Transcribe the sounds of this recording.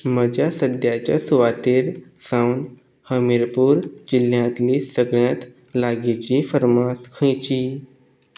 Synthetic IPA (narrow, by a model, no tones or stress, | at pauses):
məd͡ʑasəd̪jat͡ɕa̰suʋat̪iːɾsawɳɖ | həmiɾpuːɾd͡ʑil̤jãt̪liːsəɡɭjãt̪ | laɡit͡ɕifəɾmaskʰə̃jt͡ɕiː